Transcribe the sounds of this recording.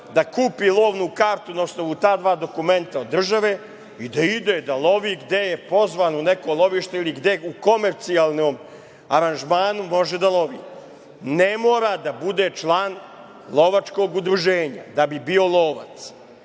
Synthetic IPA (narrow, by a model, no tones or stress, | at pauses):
d̪akuːpilˠo̞ːʋnukaːɾt̪unaosnoʋut̪aːd̪ʋaːd̪o̞kume̞nt̪ao̞d̪ːr̩ʒaʋe | id̪aid̪ed̪alˠo̞ʋiːɡd̪e̞jepo̞zʋaːnunekolˠo̞ʋiːʃt̪eiliɡd̪euko̞meɾt̪sialˠnoːm | aɾanʒmaːnumo̞ʒed̪alˠo̞ʋḭː | nemoːɾad̪abud̪et͡ʃlˠaːn | lˠo̞ʋat͡ʂko̞ːɡud̪ɾuʒeːɲa̰d̪abibio̞lˠoːʋa̰t̪s